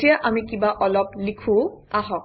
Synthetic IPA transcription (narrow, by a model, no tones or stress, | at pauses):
tijaʔamikibaʔɔlɔplikʰũaɦɔk̚